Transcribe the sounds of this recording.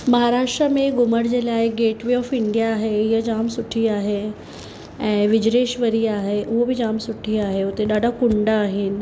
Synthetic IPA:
mɐɦaːɾaːʃʈɾəmẽɡʊməɽd͡ʑeːlaːɪɡeːʈʋiɔːfɪɳɖijaːɦeɪɦəd͡ʑaːmsʊʈʰiaːɦe | ɛ̃ːʋɪd͡ʑɾeːʃʋəɾiaːɦeʔʊɦobʱid͡ʑaːmsʊʈʰiaːɦeʊt̪eɗaːɖʱakʊɳɖaːɦɪnɪ̆

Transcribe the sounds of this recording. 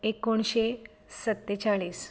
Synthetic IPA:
ekoɳɕe | sət̪ːet͡saɭiːs

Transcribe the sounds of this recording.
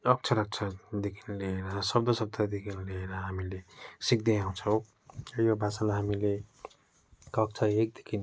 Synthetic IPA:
ʌk̚t͡sʰʌɾʌk̚t͡sʰʌd̪ekʰinleeɾʌsʌb̚d̪osʌb̚t̪ad̪ekʰinleeɾʌɦamilesik̚d̪eaw̃t͡sʰʌw̃ | ʌjobʱasalaɦamile | kʌk̚t͡sʰʌek̚d̪ekʰin

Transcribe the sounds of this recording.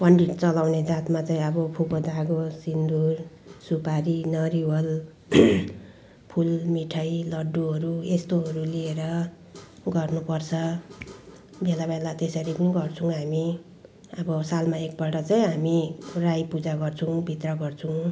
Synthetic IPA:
pʌɳɖiʈt͡sʌlawned͡zat̪mat͡saĩʌbʌpʰukod̪ʱaɡosind̪ur | supaɾinʌɾiwʌl | pʰulmiʈʰajlʌɖːuɦʌɾuest̪oɦʌɾulieɾʌ | ɡʌrnupʌrt͡sʰʌ | belabelat̪esʌɾipuniɡʌrt͡sʰũɦami | ʌbʌsalmaek̚bʌʈʌt͡saĩɦamirajpud͡zaɡʌrt͡sʰũbʱit̪rʌɡʌrt͡sʰuw

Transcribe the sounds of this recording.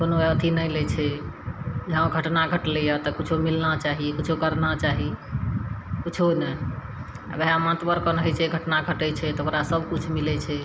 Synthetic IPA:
konoət̪ʰinəjlɛt͡ʃʰɛ | d͡ʒəɦãɡʱəʈnaɡʱəʈlɛjat̪ɔkut͡ʃʰomilnat͡ʃaɦikut͡ʃʰokəɾnat͡ʃaɦi | kut͡ʃʰonɛ | ə̰beɦamãt̪bəɾkənɦɛt͡ʃʰɛɡʱəʈnaɡʱəʈɛt͡ʃʰɛt̪ɦokɾasəbʱkut͡ʃʰmilɛt͡ʃʰɛ

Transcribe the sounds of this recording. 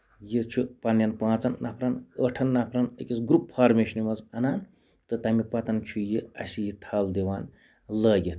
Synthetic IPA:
jit͡ʃʰupɐnjɐnpãːt͡sɐnːɐpʰɾɐnəʈʰɐnːɐpʰɾɐnəkʲit͡sɡɾuppʰaːɾmeːʃɐnimɐzɐnaːn | t̪ɨt̪ɐmipɐt̪ɐnt͡ʃʰujiɐ̰sijit̪ʰaːld̪iwaːn | lɐːjet̪ʰ

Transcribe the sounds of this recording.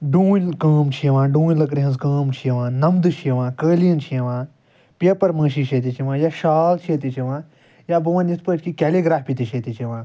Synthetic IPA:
ɖũːkəːmt͡ʃʰieʋãːɖũːnlɐk̬ɾiɦɐnzkəːmt͡ʃʰieʋãːnɐmd̪ɨt͡ʃʰeʋãːkəːlijɐnt͡ʃʰiɐʋãː | pepɐɾməːʃiʃʰeːt̪it͡ʃʰiʋãːjaːʃaːlt͡ʃʰet̪it͡ʃʰiʋãː | jaːbɨʋɐ̃nispəːt͡ʃʲkikeliɡɾaːfpit̪it͡ʃʰet̪it͡ʃʰiʋãː

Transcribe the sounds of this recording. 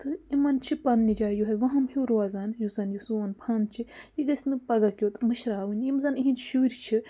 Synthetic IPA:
t̪ʰɨimɐnt͡ʃʰipɐnːid͡ʒaːjuɦɐʋɐ̃ɦɐmhuɾuaːzaːnjusɐnjusuɐnpʰɐnt͡ʃʰijiɡɐsʲnɨpɐɡɐkʲjot̪mɨʃɾaːʋɨnʲjimzɐniɦĩnʃuːɾʲt͡ʃʰi

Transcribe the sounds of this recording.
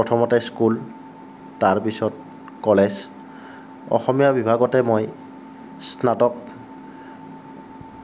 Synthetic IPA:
pɹɔtʰɔmɔtɛskul | taɹpisɔt̚ | kɔlɛz | ɔ̰xɔmijabibʱaɡɔtɛmoj | snatɔk̚

